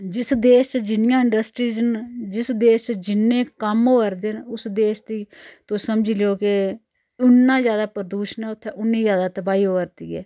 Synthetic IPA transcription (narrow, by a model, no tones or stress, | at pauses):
d͡ʒɪsd̪eːʃt͡ʃd͡ʒɪnɪjãːɪɳɖəsʈɾiːd͡ʒənd͡ʒɪsd̪eːʃt͡ʃd͡ʒɪnːẽːkəmoːəɾd̪eːnʊsd̪eːʃd̪iːt̪osəmd͡ʒileoːkɪ | ʊnːãːzjaːd̪aːpəɾəd̪uːʃənɛːʊt̪ʰːɛ̃ːʔʊnːiːzjaːd̪aːt̪əbaːiːoːəɾd̪ḭːɛ̰ː